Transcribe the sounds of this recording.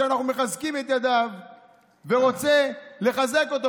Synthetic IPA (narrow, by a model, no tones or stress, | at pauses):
eanaχnume̞χazkime̞t̪jad̪av | veʁo̞t͡se̞le̞χaze̞ko̞t̪o